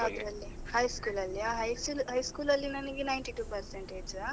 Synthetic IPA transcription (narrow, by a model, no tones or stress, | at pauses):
ɐd̪ɾɐlːihɐjskuːlɐlːiaːɦɐjsulɦɐjskuːlɐlːinɐnɐkinɐjɳʈiʈuːpɐɾseɳʈeːd͡ʒua